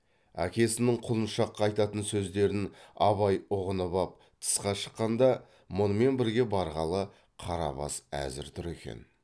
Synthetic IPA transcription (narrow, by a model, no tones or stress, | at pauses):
æ̰kʲe̞sɪnɪɴqʰʊlˠənʃɑqːɑːɑjt̪ɑt̪ənsɵzd̪e̞ɾɪnɑβɑjʊʁənəbɑp̚ | t̪ʰə̥sqɑʃə̥qːɑnd̪ɑ | mʊnəme̞nbɪɾɡʲe̞bɑɾʁɑlˠə | qʰɑɾɑ̰βɑ̰sæ̰zɪ̰ɾt̪ʰʊɾekʲe̞̰n